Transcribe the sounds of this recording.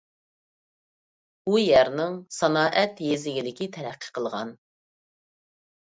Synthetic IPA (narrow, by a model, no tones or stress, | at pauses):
bujæɾnɪŋsɑnɑːʔɛt̪jezɪɡʲilɪkʲit̪ʰɛɾæqʰːə̥qʰəlˠʁɑ̰n